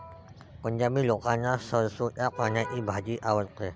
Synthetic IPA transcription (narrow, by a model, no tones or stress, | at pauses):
kəɲd͡ʒamilokaɲasəsuakaɲaʔibʱad͡ʒiʔawət̪̚ke